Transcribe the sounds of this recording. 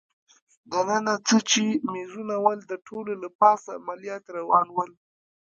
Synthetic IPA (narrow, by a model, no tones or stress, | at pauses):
d̪anənat͡sət͡ʃemeʐunawəld̪əʈʰololapɑsaːmalijɑt̪ɾawɑnwəl